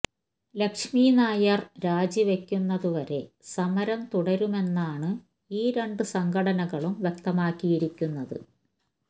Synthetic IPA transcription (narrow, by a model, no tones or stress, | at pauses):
lɐkʂmiːnaːjɐrɾaːd͡ʑiʋe̞kʲːunːɐðuʋɐɾe̞sɐmɐɾɐmt̪uɽɐɾume̞nːaːɳɨ | iːɾe̞ɳɖɨsɐŋɡʰɐɽɐnɐɣɐɭumʋjek̚t̪ɐmaːkːijiɾikʲːunːɐðɨ̰